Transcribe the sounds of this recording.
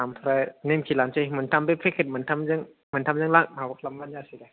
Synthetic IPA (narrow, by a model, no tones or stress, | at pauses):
amt̪ʰɔɾajnemkʰilant͡ʃɯmɯntʰambepʰekʰɯt̚mɯntʰamzɯŋ | mɯntʰamzɯŋlak̚mabakʰlamlanjasiɡa